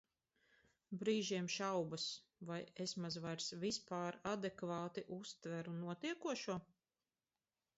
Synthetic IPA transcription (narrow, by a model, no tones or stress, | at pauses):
bɾiːʒiɛmʃawbas | vajesmazvajɾsvispaːɾad̪ekvaːt̪iʔust̪væɾunuɔt̪iɛkuɔʃuɔ